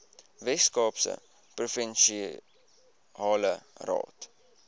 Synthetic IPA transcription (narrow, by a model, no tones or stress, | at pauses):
vɛskɑːpsə̰ | profɛnʃi | ɑːlərɑ̰ːt